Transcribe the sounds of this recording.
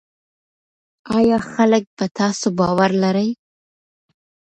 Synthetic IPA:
ɑjɑxalək̚bat̪ɑsobɑwaɾlaɾaj

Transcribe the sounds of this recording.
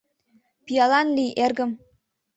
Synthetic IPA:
pijɑlɑnlijʔerɡə̆m

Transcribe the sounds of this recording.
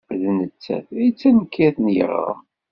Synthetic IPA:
ðnət͡sːæ̰θæjt͡sːænəkːæθnjə̰ʁɾə̰

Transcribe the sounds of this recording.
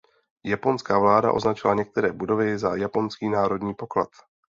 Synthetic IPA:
japo̞nskaːvlaːda̰ʔo̞̰znat͡ʃɪlaɲɛk̚t̪ɛɾɛːbudo̞vɪzajapo̞nskiːnaːɾo̞dɲiːpo̞kla̰t̪

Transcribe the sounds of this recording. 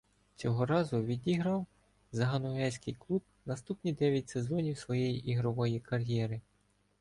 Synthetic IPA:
t͡sʲɔɦɔɾɑzʊʋʲid̪ʲiɦɾɐw | zɐɦɐnɔɦɛsʲkɪjklˠub̚ | nɐst̪upnʲid̪ɛʋʲjɐtʲsezɔnʲiwsʋɔjɛjiʔiɦɾɔʋɔjikɐɾʲjɛɾɪ

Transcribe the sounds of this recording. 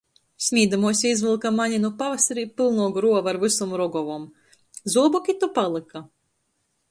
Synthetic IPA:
sʲmʲiːd̪amuɔsʲizvɨlˠkamaɲʲinupavasaɾiːpɨlˠnuɔɡɾuɔvaɾvɨsumɾɔɡɔvɔm | zuɔbɔkʲit̪upalˠɨka

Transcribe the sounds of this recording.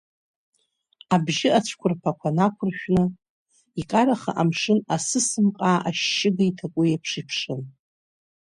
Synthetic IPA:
abʒɪat͡ɕʷʰkʷʰʊrpʰakʷʰanakʷʰʊrʃᶣnɨ | ikʼaɾaχa̰ʔamʂɨnasɨsɨmqʼaːʔaʃːɪɡajtʰakʷʼʊjapʰʂipʰʂɨn

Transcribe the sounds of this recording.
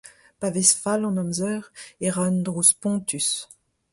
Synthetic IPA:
pavɛsfalɑ̃nɔmzœʁeʁand̪ʁuspɔ̃t̪ys

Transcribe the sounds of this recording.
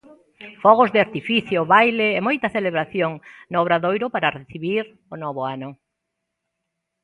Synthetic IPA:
fɔɣ̞ʊzðɪaɾt̪ifiθjoβajleɛmojt̪ɐθeleβɾaθjoŋnoɔβɾaðojɾʊpaɾareθiβiɾ | ʊnɔβʊanʊ

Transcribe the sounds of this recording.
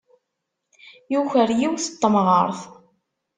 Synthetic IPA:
juçəɾjiwθət̪ˤːəmʁə̰ɾˤθ

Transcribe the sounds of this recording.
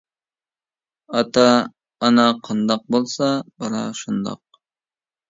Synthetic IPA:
ɑt̪ɑː | nɑqʰɑnd̪ɑq̚bolˠsɑbɑɾɑ̰ʃund̪ɑ̰q̚

